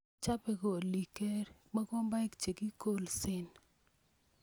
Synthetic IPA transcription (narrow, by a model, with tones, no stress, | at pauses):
t͡ʃa˦pɛ˨ko˨li˨kɛ˦ɾma˦kɔ˦mba˦kt͡ʃe˨ki˦ko˦lsɪ˦n